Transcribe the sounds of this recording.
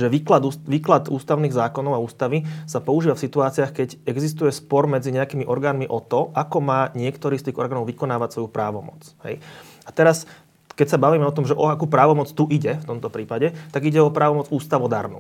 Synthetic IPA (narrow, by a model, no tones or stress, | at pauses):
ʒɛʋiklad̪uʋiːklad̪ṵːst̪aʊniːɣzaːkɔnɔʊauːst̪aʋisapɔuʒiːʋafsit̪uaːt͡siaxkɛɟɛɡzis̬t̪ujɛspɔɾmɛd͡ziɲɛakiːmiʔɔɾɡaːnmiʔɔt̪ɔʔakɔmaːɲɪɛkt̪ɔɾiːst̪iːɣɔ̰ɾɡaːnɔʊʋikɔnaːʋacsʋɔjupɾaːʋɔmɔ̰t͡shɛ̰j | at̪ɛɾas | kɛcsabaʋiːmɛɔt̪ɔmʒɛʔɔakupɾaːʋɔmɔt͡st̪uʔiɟɛft̪ɔmt̪ɔpɾiːpaɟɛt̪aɡiɟɛɔpɾaːʋɔmɔd͡zuːst̪aʊɔd̪a̰ɾnṵ